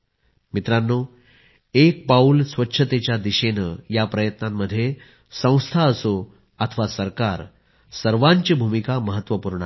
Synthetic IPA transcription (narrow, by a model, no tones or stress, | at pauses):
mit̪ɾanːo | ek̚paulsʋətːɕʰət̪et͡ɕjad̪iɕenəjapɾəjət̪namːəd̪ʱːje | sə̃w̃st̪ʰaəso | at̪ʰəʋasəɾkaɾ | səɾʋaɲt͡ɕibʱumikaməɦət̪ːʋəpuɾɳə